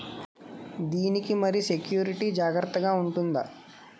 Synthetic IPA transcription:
d̪iːnikimɐɾisekjuːɾiʈid͡ʒaːɡɾɐt̪ːɐɡaːuɳʈund̪ɐ

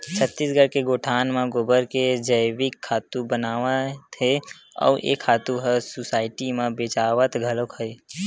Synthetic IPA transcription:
t͡ʃʰət̪ːisɡʱəɽkeɡoːʈʰaːnmãɡoːbəɾked͡ʒəjwɪkʰːaːt̪ubənaːʋət̪ɦeɔ̰ːɾjḛkʰaːt̪uɦəsʊsaːɪʈimãbeːt͡ʃaːʋət̪ɡʱəlokɦəe

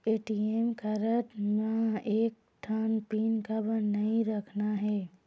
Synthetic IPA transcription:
eːʈiemkɐɾəʈmaeːk̚ | ʈʰaːnpiːnkabənɐɦĩɾɐkʰnaɦɛː

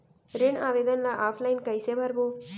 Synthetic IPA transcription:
ɾeɳaːʋeːd̪ənlaʔaːpʰlajnkɐjsebaɾbo

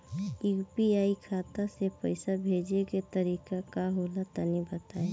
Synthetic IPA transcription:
jupiaːikʰaːt̪asepəɪsabʱeːd͡ʒeket̪əɾiːkakaɦolat̪ənibət̪aːe

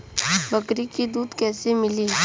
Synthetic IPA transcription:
bəkɾikid̪uːd̪kɛsemɪliː

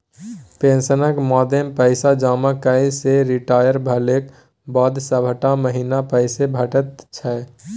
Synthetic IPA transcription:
pẽnsənəkmɔd̪empəɪsad͡ʒaːmakəiseɾiʈaːjəɾbʱəlek | bɔd̪ʱsəbʱəʈaməɦinapəɪsebʱəʈət̪̚t͡ʃʰɛ

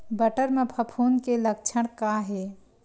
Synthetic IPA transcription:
bəʈəɾmẽpʰəpʰuːnkelək̚t͡ʃʰəɽ̃kaɦeː

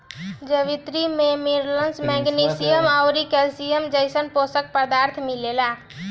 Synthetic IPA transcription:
d͡ʒəʋit̪ɾimemiɾlənsmɛɡnisijəmaʊɾikɛlsijəmd͡ʒəɪsənposək̚pəd̪aɾt̪ʰmilela

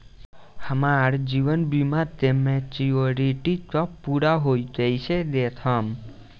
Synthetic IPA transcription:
həmaɾd͡ʒiʋənbimãt̪emẽt͡ʃioɾiʈit̪ɔpuɾaɦojd͡ʒəjt͡ʃʰed̪et̪ʰəm

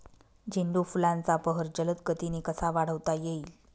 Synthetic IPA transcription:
d͡ʑiɳɖ̪ufulãnt͡sapəɦəɾd͡ʑələt̪kət̪inikəsaʋaɽ̤əʋt̪ajeiːl

